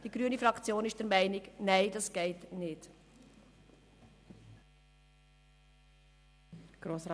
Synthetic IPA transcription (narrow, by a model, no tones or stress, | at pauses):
d̥iɡɾyənifɾɑkt͡sjoːnɪʃd̥ɛɾmæɪnɪɡnæɪd̥ɑsɡ̥ɛɪtnɪd | ɡ̥ɾoːsɾ